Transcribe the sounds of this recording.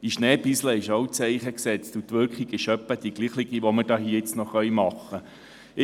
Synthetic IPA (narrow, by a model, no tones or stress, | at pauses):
iʃnɛːbisləɪʃowt͡sɛɪχəksɛt͡stutʋʏɾkχiɡɪʃœpːəd̥iɡ̥liːχlɪɡ̥iʋoməɾdɑːɦiːɪt͡snɔχχœʏjmɑχːə